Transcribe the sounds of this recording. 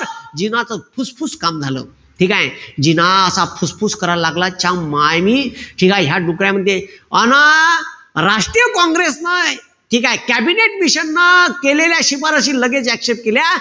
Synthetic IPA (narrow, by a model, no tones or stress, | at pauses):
ɾd͡ʑinat͡səfʰuspʰuskamd͡zʱalə̰ː | ʈʰikajd͡ʑinaəsapʰuspʰuskəɾaɾlaɡlat͡ɕamajmiʈʰikajɦjaɖukɾjãm̤əd̪ʱjeəna | ɾaʂʈɾijəkɔ̃ŋɡɾesnaj | ʈʰiːkajkæbineʈ̚miɕənːakeleljaɕipaɾəɕ̬iːləɡet͡sækʂep̚kelja